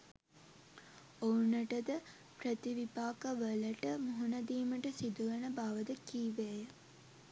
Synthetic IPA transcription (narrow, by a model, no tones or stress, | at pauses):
ounəʈəd̪ə | pɾət̪iʋipaːkəʋələʈəmuɦunɐd̪iːməʈəsid̪uɡənəbaːʋəd̪əkiːʋejə